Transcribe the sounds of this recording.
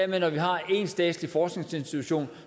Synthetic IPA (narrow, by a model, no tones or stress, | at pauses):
ɐmenɒʋiɦɑ̈e̝nsd̥ɛ̰ːd̥lifɒːsɡ̥ne̝ŋse̝nsd̥it͡sʰuɕo̝̰ːn